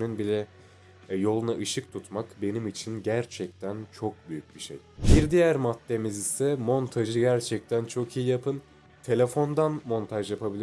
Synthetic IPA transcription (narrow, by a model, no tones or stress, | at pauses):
nynbilʲɛ | jo̞lˠunaʔɯʃɯk̚t̪ʰut̪makbe̞nimit͡ʃʰinɟæɾt͡ʃʰɛc̚t̪ʰænt͡ʃʰo̞k̚byjyc̚biʃejbiɾd̪ijæɾmat̪ːe̞mizisɛmo̞nt̪ʰaʒɯɟæɾt͡ʃʰɛc̚t̪ʰænt͡ʃʰo̞kʰijijapʰɯn | t̪ʰe̞lʲefo̞nd̪anmo̞nt̪ʰaʒjapʰabilʲi